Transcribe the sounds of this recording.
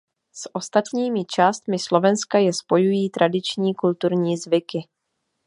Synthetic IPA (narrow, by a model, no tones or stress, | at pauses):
sʔo̞st̪at̪ɲiːmɪt͡ʃaːst̪mɪslo̞vɛnskajɛspo̞jujiːt̪ɾʔadɪt͡ʃɲiːkult̪uɾɲiːzvɪkɪ